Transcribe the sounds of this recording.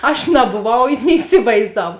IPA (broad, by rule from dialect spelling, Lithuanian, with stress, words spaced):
ɐʃ nɐboːˈʋɐʊ nʲɪ ɪˈsʲɪʋɐɪzdɐw